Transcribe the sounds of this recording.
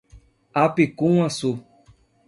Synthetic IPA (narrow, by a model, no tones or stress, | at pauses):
apikũasu